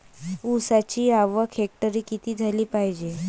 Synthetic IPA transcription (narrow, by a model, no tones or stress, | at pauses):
usat͡ɕiːaʋəkʰɛk̚ʈəɾiːkit̪iːd͡zʱaliːpaɦid͡ʑe